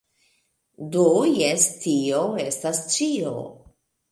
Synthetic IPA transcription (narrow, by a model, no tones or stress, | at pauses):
dojestioe̞stast͡ʃio̰